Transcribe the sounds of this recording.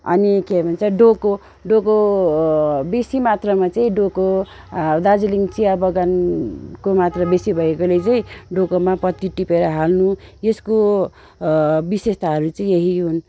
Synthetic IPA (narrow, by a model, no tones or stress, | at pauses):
ʌ̰nikebʱʌnt͡sʌɖoko | ɖoko | besimat̪rʌmat͡saĩɖoko | d̪ad͡ziliŋt͡siabʌɡankomat̪rʌbesibʱʌekolet͡saĩɖokomapʌt̪iʈipeɾʌɦalnujesko | bisest̪ʰaɦʌɾut͡sʌĩeɦiɦun